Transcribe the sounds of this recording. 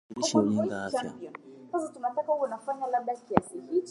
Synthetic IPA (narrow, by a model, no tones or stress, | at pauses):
ɔnɔt͡ʃanpiɔnsasatunatakahukɔnafaɲalaɓɗakiasihit͡ʃ